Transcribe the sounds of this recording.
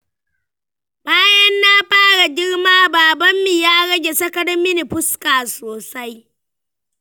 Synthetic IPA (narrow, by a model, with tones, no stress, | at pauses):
baː˦jɐ˦nːa˦ɸaː˦ɽa˨ɡʲɪ˦ɽmaː˦baː˨bɐ˦mːi˨jaː˦ɽɐ˦ɡʲe˨sɐ˦kɐ˦ɽɐ˦mɪ˦ni˨ɸʊ˦skaː˨soː˨sa˦j